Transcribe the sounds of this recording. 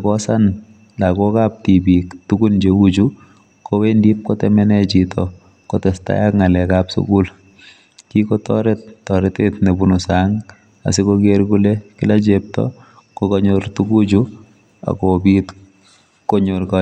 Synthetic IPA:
kɔsan | lakɔkap̚tibiktuɡund͡ʒeud͡ʒu | kowendip̚kotɛmɛnɛt͡ʃitɔ | kotɛsta̰jakŋalɛkapsṵkul | kikotɔ̰ɾet̚tːɔɾetetnebunusaŋ | a̰sikokeɾkulekɪlat͡ʃep̚tɔ̰ | kokoɲoɾtukud͡ʒu | a̰kobit | koɲoɾkɔ

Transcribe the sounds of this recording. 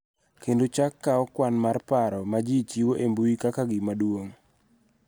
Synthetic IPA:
kendot͡ʃakːaɔkwanmarpaɾɔmad͡ʒit͡ʃiwoʔembuikakaɡɪmadwoŋ

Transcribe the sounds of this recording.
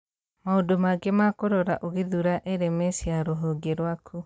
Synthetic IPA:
maodomaɡemakoɾoɾa̰ʔoɣeðuɾaʔeɾemesiaɾoɦoɡeɾwakʰu

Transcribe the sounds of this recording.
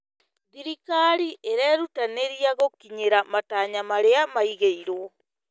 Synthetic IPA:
ðiɾikaɾiʔeɾɛɾutaneɾiaɣokiɲeɾamataːɲamaɾeamaiɣeiɾo

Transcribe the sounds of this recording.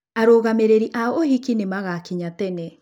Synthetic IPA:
aɾoːɣameɾeɾiʔaɔohikinemaɣakiɲatɛnɛ

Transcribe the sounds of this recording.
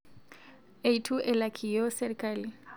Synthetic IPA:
eitʰuʔɛlakʰʼijɔsɛɾikʼali

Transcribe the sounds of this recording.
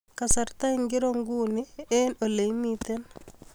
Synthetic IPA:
kasaɾt̪aɪŋɡɪɾoŋɡunɪɛnoleimit̪ɛn

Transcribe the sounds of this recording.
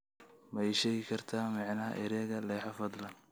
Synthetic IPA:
mɐʃɛːɣɪkʰɐrt̪ʰaːmɑʕnɐɦɐ̰ʔɪɾɛːɣɐlɛːħɑfɐd̪lɐ

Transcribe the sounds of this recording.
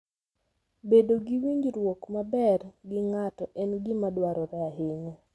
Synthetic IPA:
bedoɡiwiɲd͡ʒɾwokmabɛrɡɪŋatɔʔɛnɡɪmadwaɾɔɾɛaɦeɲo

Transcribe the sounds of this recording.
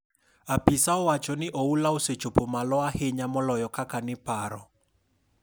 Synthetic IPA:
apisaɔwat͡ʃɔnɪʔɔulaoset͡ʃopomalɔaheɲamɔlɔjɔkakanɪpaɾɔ

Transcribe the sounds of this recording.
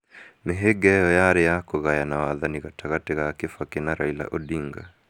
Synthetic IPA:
meɦɛɡɛjɔjaɾɛjakɔɣajanawaðaniɣataɣatɛɣakifakinaɾaila̰ʔɔɗiŋɡa̰

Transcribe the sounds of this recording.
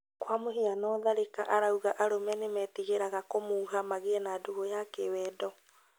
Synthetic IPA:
kwamohianɔðaɾeka̰ʔaɾauɣaʔaɾomɛnemɛtiɣeɾaɣakomouɦamaɣeɛnadoɣojakewɛdɔ

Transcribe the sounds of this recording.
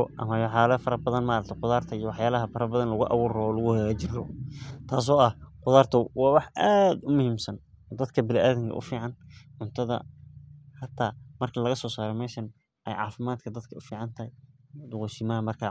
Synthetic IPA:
ʔɐ̰mɐjħaːlɐfɐɾɐbɐðɐnmaːɾɐkt̪ʰɛqʊðaːrt̪ʰɐijɔwɑħjaːlɐɦɐfɐɾɐbɐðɐnlɐɣʊʔɑ̰wuːɾɔɔːlʊɣʊhɛlɐt͡ʃɪrɔt̪ʰaːs̬ɔːɐhqʊðaːrt̪ʰɔwɑːwɑħʔaːd̪ʊmʊhiːmsɐnː | d̪ɐd̪kʰɐbɪlaːðɪŋkʰɐ̰ʔʊ̰fiːʕɑnʕʊnt̪ʰɐðɐ̰ | ħɑt̪ʰaːmɐrkʰɐlɐɣɐsɔːsaːɾɛmɛːʃɐn | ʔɛ̰jʕɑ̰ːfɪmaːd̪kʰɐd̪ɐd̪kʰɐʔʊfiːʕɑnt̪ʰɐɦɛd̪ʊqʊjsɪmɐɐmɐrkʰa

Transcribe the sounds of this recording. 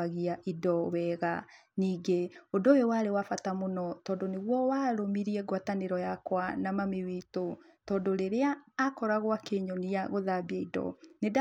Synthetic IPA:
aɣiaʔidɔwɛɣa̰ | niːɡeodoewaɾewafatamonɔtɔːndoneɣwɔwaɾomiɾiɛɡwataneɾɔjakwanamameweto | tɔːndoɾeɾeaːkɔɾaɣwakeɲɔniaɣoðabiaidɔ̰neda

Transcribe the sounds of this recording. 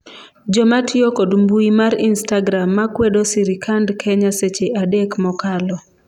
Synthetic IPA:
d͡ʒɔmatɪɔkodmbuimaɾinstaɡɾamːakwedosiɾikʰandkʰɛɲaset͡ʃeʔadekmɔkalɔ

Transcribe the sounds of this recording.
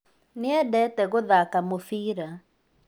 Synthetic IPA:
nɪɛdɛtɛɣoðakamofiːɾa

